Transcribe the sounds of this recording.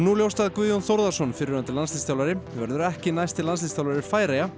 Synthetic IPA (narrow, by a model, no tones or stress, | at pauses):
nuːljowst̪aðkviːðjɔnθɔɾðasɔnfɪɾɪɾant̪ɪlanslist̪awlaɾɪvɛɾðʏɾɛhcɪnajst̪ɪlanslist̪jawlaɾɪfaːjɾeja